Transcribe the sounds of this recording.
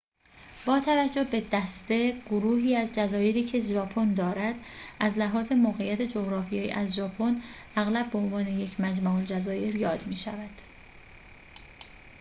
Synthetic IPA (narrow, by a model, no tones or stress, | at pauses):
b̥ɒːt̪ʰævæd͡ʒːohbe̞d̪æst̪e̞ɡ̥oɾuːhiːæzd͡ʒæzɒːje̞ɾiːcʰeʒɒːpʰo̞nd̪ɒːɾæd̪̥ʔæzlæɦɒːze̞moːɣejːæt̪ʰe̞d͡ʒoɣɾɒːfijejḭʔæzʒɒːpʰonæɣlæbːeonvɒːne̞je̞cʰmæd͡ʒmɑːold͡ʒæzɒːje̞ɾjɒːd̪miːʃævæd̪̥